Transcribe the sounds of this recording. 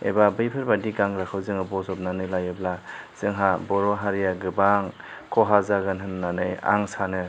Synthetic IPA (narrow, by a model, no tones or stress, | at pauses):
ḛbabɯjpʰɯɾbadiɡaŋɾakʰɯwzɯŋɯbɔzɔp̚nanɯlajɯblaz̥ɯŋɦabɔɾɔɦaɾijaɡɯbaŋ | kʰɔɦazaɡɯnɦɯnːanɯja̰ŋsanɯ